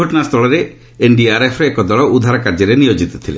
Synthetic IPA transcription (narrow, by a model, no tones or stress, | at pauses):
ɔʈɔnast̪ʰɔɭɔɾe | eɳɖiaɾepʰɾɔekɔd̪ɔɭɔud̪ʱaɾɔkaɾd͡ʒɔɾenijod͡ʒit̪ɔ̥t̪ʰile